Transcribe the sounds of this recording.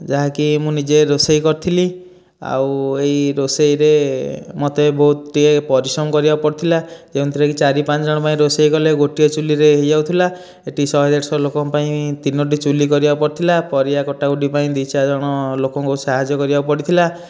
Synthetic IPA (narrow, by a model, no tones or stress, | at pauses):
d͡ʒaɦakimũnid͡ʒeɾosejkɔɾt̪ʰili | a̰wejɾosejɾemɔt̪ebɔɦut̪ːiepɔɾisɔmɔkɔɾibapɔɽt̪ʰilad͡ʒeũnt̪ʰiɾekit͡ʃaɾipant͡ʃɔd͡ʒɔɽ̃ɔpaĩɾosejkɔleɡoʈiɔt͡ʃuliɾeɦejd͡ʒawt̪ʰila | eʈisɔɦɔd̪eʈsɔlokɔpaĩt̪inoʈ̬it͡ʃulikɔɾibapɔɾt̪ʰilapɔɾiakɔʈaɡuʈipaĩd̪it͡ʃad͡ʒɔɽ̃ɔlokɔŋkousaɦad͡ʒjɔkɔɾibapɔɽit̪ʰila